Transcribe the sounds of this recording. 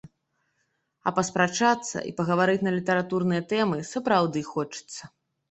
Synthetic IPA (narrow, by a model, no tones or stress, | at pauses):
ɐ̰pɐspɾat͡ʂat̪sːɐ̰ʔḭpɐɣɐvaɾɨt͡sʲnɐlʲit̪ɐɾat̪urnɨjɐt̪ɛmɨsɐpɾawd̪ɨxɔt͡ʂɨ̥t̪sːɐ